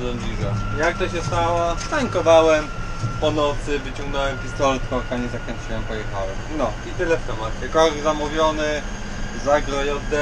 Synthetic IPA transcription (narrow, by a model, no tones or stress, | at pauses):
lɔmbiʐajak̚t̪ɔɕɛst̪awaskaŋkɔvawɛm | pɔnɔt̪sɘvɘt͡ɕɔ̃ŋɡnɔwɛmxʲist̪ɔɾɘt̪kɔɾkaɲɛzakɔɲt͡ʃɘwɛmpɔjɛxawɛmnɔit̪ɘlɛft̪ɛmat̪ɛkɔɡʲɡzamuvʲjɔnɘ | zaɡlɔjɔzd̪ɛ